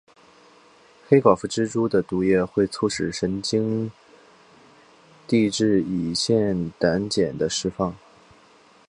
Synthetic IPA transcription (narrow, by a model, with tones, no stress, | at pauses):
xe˥ɪkɑ˨˩ʊfu˧˥ʈ͡ʂɻ̩˥ʈ͡ʂu˥d̪ə˨t̪u˧˥jɛ˥˧xwe˥˧ɪt͡sʰu˥˩ʂɻ̩˨˩ʂə˧˥nt͡ɕi˥ŋ | t̪i˥˧ʈ͡ʂɻ̩˥˩i˨˩ɕjɛ˥˩nt̪a˧˥nt͡ɕjɛ˨˩nd̪ə˦ʂɻ̩˥fɑ˥˩ŋ